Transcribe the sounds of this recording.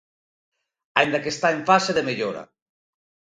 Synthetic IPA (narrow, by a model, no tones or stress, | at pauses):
aind̪akest̪aeɱfaseðemeʎoɾa̰